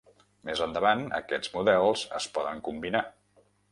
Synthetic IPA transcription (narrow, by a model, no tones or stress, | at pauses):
mezənd̪əβanə̰kɛd͡zmuðɛlˠz̥ə̰spɔðəŋkumbina